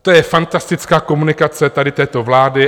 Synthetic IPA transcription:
t̪ojɛfant̪ast̪ɪt͡skaːko̞munɪkat͡sɛt̪adɪt̪ɛːt̪o̞vlaːdɪ

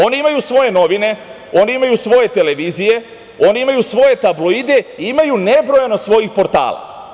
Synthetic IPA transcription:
o̞niimajusʋo̞je̞no̞ʋine̞ | o̞niimajusʋo̞je̞t̪e̞le̞ʋiːzije̞ | o̞niimajusʋo̞je̞t̪ablˠo̞id̪e̞iimajune̞bɾo̞janosʋo̞jixpo̞ɾt̪a̰ːlˠa̰

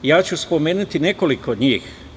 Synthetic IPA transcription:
jaːt͡ɕuspo̞me̞ːnut̪ine̞ko̞likood̪ɲiːx

